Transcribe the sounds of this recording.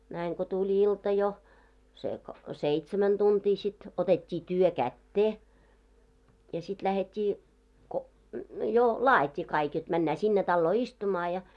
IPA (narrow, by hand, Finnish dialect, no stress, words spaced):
næiŋ ko tulʲ iltɑ jo se ko seitsemæn tuntʲiː sit otetʲːiː tyø kætːeː jɑ sit læhetʲːiː ko jo lɑːjitʲːiː kɑik jot mænːæː sinːe tɑlːoː istumɑː jɑ